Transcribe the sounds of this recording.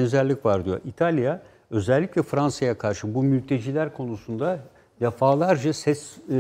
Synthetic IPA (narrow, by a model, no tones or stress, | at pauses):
nzæɾlʲicvaɾd̪ijo̞̰ɾit̪ʰalʲˠija | ø̞zɛlʲːiclʲɛfɾansajakʰaɾʃɯbumylʲt̪ʰe̞d͡ʒiːlʲæɾkʰo̞nusund̪a | d̪efaːlˠaɾd͡ʒasɛs